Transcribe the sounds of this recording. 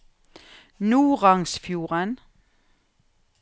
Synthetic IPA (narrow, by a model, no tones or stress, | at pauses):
nuːʁɑŋsfjuːʁən